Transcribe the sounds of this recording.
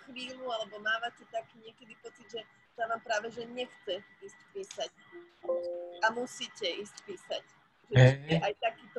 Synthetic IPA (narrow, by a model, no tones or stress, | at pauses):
xʋiːlualɛbɔmaːʋacɛt̪akiɲɪɛkɛd̪ipɔt͡sid̪ʒɛ | t̪aʋaːmpɾaːʋɛʒɛɲɛxt͡sɛiːscpiːsac | amusiːcɛiːsc̚piːsac | ʒɛɛʔajt̪akiːt̪ɔ